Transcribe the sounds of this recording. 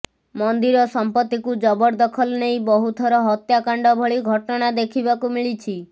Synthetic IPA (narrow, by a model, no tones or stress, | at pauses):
mɔnd̪iɾɔsɔmpɔt̪ːikud͡ʒɔbɔɾd̪ɔkʰɔlnejbɔɦut̪ʰɔɾɔɦɔt̪jakaɳɖɔbʱɔɭiɡʱɔʈɔɽ̃ad̪ekʰibakumiɭit͡ʃʰi